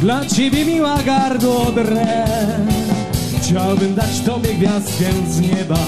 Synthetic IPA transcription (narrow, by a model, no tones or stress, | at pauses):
d̪lat͡ɕɛbʲjɛmʲiwaɡaɾd̪ɔd̪ɾɛ | xt͡ɕawbɘmd̪at͡ɕt̪ɔbʲjɛɡvʲjast̪kʲɛnzɲɛba